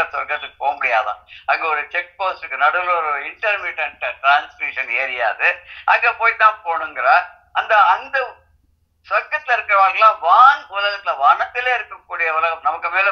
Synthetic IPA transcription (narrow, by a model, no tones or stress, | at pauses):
ɐsʋɐkːɐt̪ːɯkːɯpoːmbɐɽɪja̰ːðã̰ːɐŋɡeɔɾɯt͡ʃɛk̚poːsʈɯkːɯnɐɽɯɐlɔɾɯɪɳʈɐɾmɪʈːɐɳʈʈɾaːnsiːʂɐneːɾɪja̰ːðɯʔɐŋɡeːpoːjt̪ːãːpoːɳɯŋɡɐɾɐ | ɐnd̪ɐɐnd̪ɐ | sʋɐkːɐt̪ːɪlɐɪɾɯkːɯɾɐʋaːɾɡɐlãːʋaːɳʊlɐɣɐt̪ːɪlɐʋaːɳɐt̪ːɪleːɪɾɯkːɐkːuːɽɪjɐʋʊlɐɣɐmnɐmɐkːɯmeːl